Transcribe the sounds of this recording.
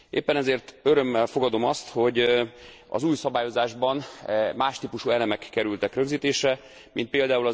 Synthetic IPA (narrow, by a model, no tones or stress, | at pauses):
ʔḛːpːɛnɛzeːrt̪øɾø̞mːɛlfo̞ɡɒd̪o̞mɒst̪ho̞ɟ | ɒ̰zuːjsɒbaːjo̞zaːʒbɒnmaːʃt̪iːpuʃuːɛlɛmɛkːɛɾylt̪ɛkrø̞ɡziːt̪eːʃɛ | mint̪peːld̪aːulɒ